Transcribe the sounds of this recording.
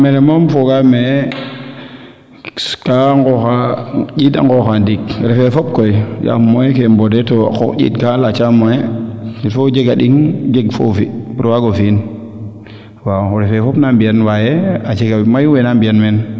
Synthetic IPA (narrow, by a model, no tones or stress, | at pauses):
meɾemomfoɡame | kaŋɡɔxad͡ʒita̰ŋɡɔxandik̚ɾɛfɛfɔp̚koid͡ʒa̰mojekembɔdɛtoa̰kɔ̰kd͡ʒḭːtkalat͡ʃamojetifod͡ʒeɡaɗiŋd͡ʒeɡfo̰fibiɾwaɡofin | waxuɾɛfɛfɔpnambianwajeat͡ʃeɡamajuwenambianmɛn